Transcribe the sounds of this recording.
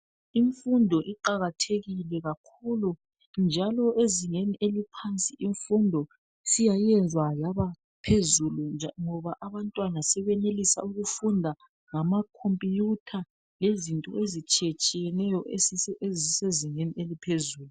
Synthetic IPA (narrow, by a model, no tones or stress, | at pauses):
iɱfundʱɔʔiǃaɣatʰeɣilɛɣakʰulu | nd͡ʒʱalɔeziŋeniʔelipʰant͡sʼiʔiɱfundʱɔ | sijajɛnd͡zʱwajaβa | pʰezuluŋɔβaʔaβantʼwanasɛβɛnelisa̰uɣufundʱa | ŋamakʰompʼijutʰa | lezintʼɔ̰ʔezit͡ʃʼijet͡ʃʼijɛnɛjɔʔeeziseziŋenielipʰezuːlu